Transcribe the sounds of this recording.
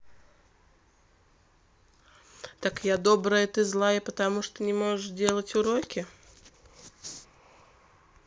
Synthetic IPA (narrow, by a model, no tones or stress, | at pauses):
t̪akjad̪o̞bɾəjət̪ɨzlˠajəpət̪ɐmuʂt̪onʲɪmo̞ʐɨʂdʲe̞lˠətʲʊɾokʲɪ